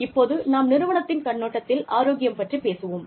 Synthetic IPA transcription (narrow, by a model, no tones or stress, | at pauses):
ɪpːoːðɯnaːmnɪɾɯʋɐɳɐt̪ːɪnkɐɳːoːʈːɐt̪ːɪlaːɾoːɡɪjɐmpɐʈripeːsɯʋom